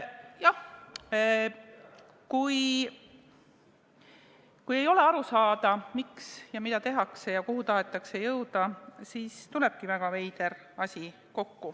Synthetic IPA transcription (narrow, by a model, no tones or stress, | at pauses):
jɑh | kuj | kuje̞jo̞le̞ɑɾusɑːd̪ɑmiksjɑmid̪̥ɑt̪e̞ɦɑkse̞jɑkuɦut̪ɑɦe̞t̪ːˑɑkse̞jɤwd̪ɑsiːst̪ule̞b̥̚kivæɡ̥ɑve̞jd̪̥e̞r | ɑsʲi | ko̞kːu